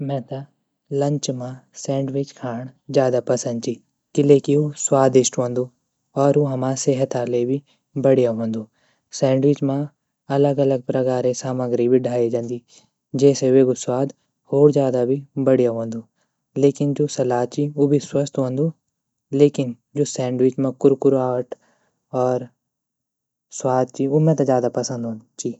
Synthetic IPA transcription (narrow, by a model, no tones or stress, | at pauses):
mɛ̃ːt̪a | lɐ̃ɲt͡ʃmãsɛ̃ːɳɖʋɪt͡ʃkʰaːɳ̃zjaːd̪apɐsə̃nd̪̚t͡ʃi | kɪleːkiuswaːd̪ɪsʈɦõːnd̪uː | ɔːɾuɦɐmãːseɦət̪aːlebʱi | bɐɽijaɦõːnd̪uː | sɛ̃ːɳɖʋɪt͡ʃmã | ɐləɡɐləɡ̚pɾɐkaːɾesaːməɡɾibʱiɖʱaːed͡ʒãːnd̪iː | d͡ʒɛːseʋeːɡʊswaːd̪ | hoːɾd͡ʒjaːd̪abʱibɐɽijaɦõnd̪uː | leːkɪnd͡ʒoːsɐlaːt͡ʃioːbʱiswɐst̪ɦõnd̪ʱuː | leːkɪn | d͡ʒoːsɛ̃ːɳɖwɪt͡ʃmãkʊɾkʊɾaːəʈ | ɔːɾ | swaːd̪̚t͡ʃiomẽt̪ad͡ʒjaːd̪apɐsə̃nd̪ʱɦõt͡ʃiː